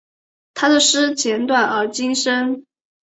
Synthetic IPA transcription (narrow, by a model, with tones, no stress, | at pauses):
t̪ʰa˥d̪ə˨ʂɻ̩˥t͡ɕjɛ˧˥nt̪wa˥˩nə˞˧˥t͡ɕi˥nŋʂə˥ŋ